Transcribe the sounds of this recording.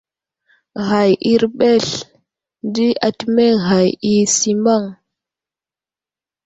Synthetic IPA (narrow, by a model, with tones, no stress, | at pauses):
ɣa˨jʔi˦ɾɓe˦˨ɬ | ndi˦a˨tme˦ɣa˨ji˦si˨ma˦˨ŋ